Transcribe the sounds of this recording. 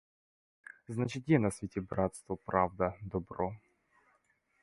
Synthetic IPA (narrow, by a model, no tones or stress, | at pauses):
znat͡ɕɪt̪jʲenɐsvʲɪtʲɪbɾat̪st̪vʊpɾʔavd̪əd̪ɔbɾo